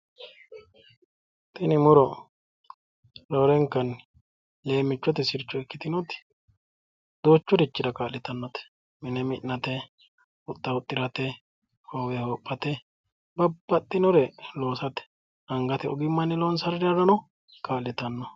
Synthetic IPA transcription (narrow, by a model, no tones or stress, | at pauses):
t̪ʰʼɪnɪmʊɾɔ | lɔɾɛŋkːɐn | le̞ːmːɪt͡ʃːɔt̪ɛsɪɾt͡ʃːɔɛkːɪt̪ɪnɔt̪ɪ̥ | d̪oːt͡ʃːɔɾɪt͡ʃːɪd̪ɐkaːlːɪt̪ɐnːɔt̪ɛ̥ | mɪnɛmɪnːɐt̪ɛ | ʊt̪ʼːɐʊt̪ʼːɪɾɐt̪ɛ | hoːwɛhoːpʼːɐt̪ɛ | bɐbːɐt̪ʼːɪnɔɾɛlo̞ːsɐt̪ɛ̥ | ɐŋɡɐt̪ɛɔ̰ɡɪmːɐnːɪlɔnsɐɾɪdɐɾɐnɔ | kaːlɪt̪ɐnːɔ